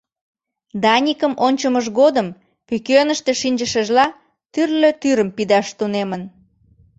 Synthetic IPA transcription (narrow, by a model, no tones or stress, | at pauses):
d̪ɑnʲikəmʔonʲt͡ɕəməʒɣod̪əm | kykønəʃt̪eʃinʲd͡ʒəʃəʒlɑ | t̪yrløt̪yɾəmpid̪ɑʃt̪unemən